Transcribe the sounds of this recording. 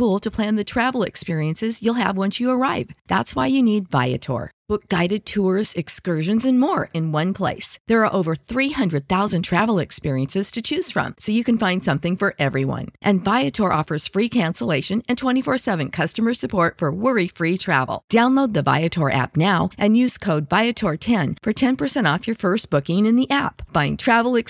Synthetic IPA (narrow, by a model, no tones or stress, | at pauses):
fulˠtʰɨpʰl̥æ̃nðɨtʰɹ̥ævl̩ˠɨ̰kspɪɹiɨ̃nsɨzjulˠə̰vwʌ̃nsjɨə˞aɪvðætswaɪjɨnidva̰ɪɨ̰tʰɔ̰ɹb̥ʊk̚ɡ̥aɪɾɨd̚tʰʊɹzɨkskɜ˞ʒɨ̃nzɨ̃nmɔɹɨ̃nwʌ̃npʰl̥ḛɪsðə˞ːʔoʊvə˞θɹihʌ̃ndɹɨd̪̚θaʊzɨ̃ntʰɹ̥ævl̩ˠɨkspɪɹiɨ̃nsɨz̥tʰɨt͡ʃʰʉz̥fɹʌ̰̃msoʊjɨkɨ̃n̩fãɪ̃nd̥sʌ̃mθɪ̃ŋfə˞ʔɛvɹiwʌ̰̃nʔɨ̃nvaɪɨtʰɔɹʔɔfə˞z̥fɹikʰæ̃nsəleɪʃɨ̃nɨ̃ntʰw̥ɛ̃ɾ̃ifɔɹsɛvɨ̃nkʰʌstəmə˞sɨpʰɔɹtfə˞wɪɹifɹitʰɹ̥æ̰vl̩ˠd̥ãʊ̃nloʊd̪̚ðɨva̰ɪɨtʰɔɹʔæ̰p̚naʊʔɨ̃njʉz̥kʰoʊdvaɪɨtʰɔɹtʰɛ̃nfə˞tʰɛ̃npʰə˞sɛ̃ɾtɔfjə˞fɜ˞st̚b̥ʊkɪ̃ŋɨ̃nðiʔæpfãɪ̃ntʰɹ̥ævl̩ˠɨk